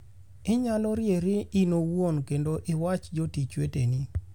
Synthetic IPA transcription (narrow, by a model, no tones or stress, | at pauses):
ɪɲalɔɾjeɾɪinowonkendoʔɪwat͡ʃd͡ʒotit͡ʃweteni